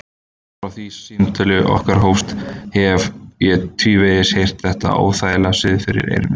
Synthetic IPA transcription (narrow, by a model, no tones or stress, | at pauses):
ɾawθisɪnt̪ɪlʏʔɔ̰hkaɾ̥ɦowst̪hɛvjɛt̪ʰviːveðɪshejr̥t̪θɛht̪a̰a̰ːwθaːjlasɪðfɪɾɪ̰ɾḛjɾmɪ